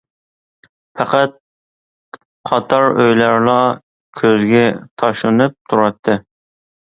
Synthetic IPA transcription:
fʰæqæt̪̚ | qʰɑt̪ʰɑɾøjlæɾlˠɑ | kʲʰøzɡʲɛt̪ʰɑʃlɨnɨp̚t̪ʰuɾɑt̪ʰːɨ

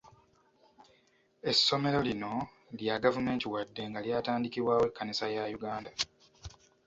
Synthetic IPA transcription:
e̞sːo̞me̞ɾo̞lino̞ | ljaɡavume̞ːntiwadːe̞ŋɡaljaːtaːndikiβwaːwe̞kːanisajajuɡaːnda

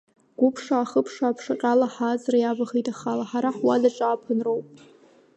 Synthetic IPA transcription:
ɡ̥ʷʊpʰʂaːχəpʰʂaːpʰʂaqʲʼalaħazrajabaχitʼaχalaħaɾaħwadaʈ͡ʂʼaːpʰanrowpʼ

